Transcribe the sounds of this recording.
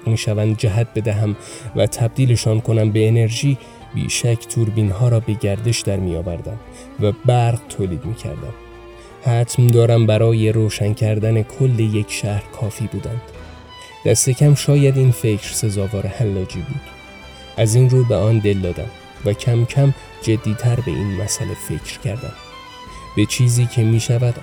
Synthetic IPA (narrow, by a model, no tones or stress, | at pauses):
miːʃævænd̪̚d͡ʒæɦæt̪̚be̞d̪æɦæm | væt̪ʰæb̚d̪iːle̞ʃɒːnkʰo̞næmbe̞ːne̞ɾʒiː | bḭːʃæcʰt̪ʰuːɾbiːnɦɒːɾɒːbe̞ɟæɾd̪e̞ʃd̪æɾmiːjɒːvæɾd̪æm | væbæɾʁt̪ʰoːliːd̪miːcʰæ̰ɾd̪æ̰m | hæt̪ʰmd̪ɒːɾæmbæɾɒːje̞ɾoːʃæncʰæɾd̪æne̞kʰo̞lːe̞je̞cʰʃæhɾkʰɒːfiːbuːd̪ænd̪̥ | d̪̥æst̪e̞cʰæmʃɒːjæd̪iːnfe̞cʰɾ̥se̞zɒːvɒːɾehæmlɒːd͡ʒibuːd̪̥ | ʔæziːnɾuːbeɒːnd̪e̞ld̪ɒːd̪æ̰m | væcʰæmcʰæm | d͡ʒe̞d̪ːiːt̪ʰæɾbe̞̰ʔiːnmæsælefe̞cʰɾcʰæɾd̪æ̰m | b̥e̞t͡ʃʰiːziːcʰe̞miːʃævæd̪